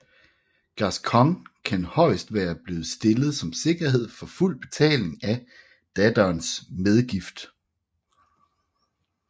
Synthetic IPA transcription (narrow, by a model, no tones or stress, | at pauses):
ɡ̥ɑskʰɒŋkʰænhɒ̽ɪ̰sd̥ʋæːɐb̥le̝ːð̩ˠsd̥e̝lð̞̩ˠsɒ̽mse̝ɡ̥ɐhe̝ð̞̰ˠfɒ̽ful̰b̥e̝t͡sʰɛ̰ːle̝ŋæ | d̥æd̥ɐːnsmeð̞ˠɡ̥ifd̥